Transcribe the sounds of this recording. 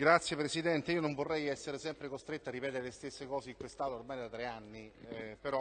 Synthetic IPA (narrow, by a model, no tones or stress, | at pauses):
ɡɾat̪sjepɾesid̪ɛnt̪eiːonoɱvorːɛjɛsːeɾesɛmpɾekost̪ɾet̪ːoarːipɛːt̪eɾelest̪esːekɔːseikwest̪aːt̪ormaːjd̪at̪ːɾeanːipeɾɔ